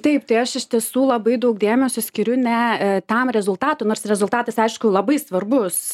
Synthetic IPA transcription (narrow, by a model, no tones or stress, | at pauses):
t̪ɐɪpt̪ɐɪɐʃɪʃʲt̪ʲiɛsuːlˠɐbɐɪd̪ɐʊk̚d̪ʲeːmʲɛsʲosʲkʲɪɾʲʊnʲɛt̪ɐmɾʲɛzʊlˠt̪ɑːt̪ʊnoːrsɾʲɛzʊlˠt̪ɑːt̪ɐsɐɪʃkʊlˠɐbɐɪsʋɐrbʊs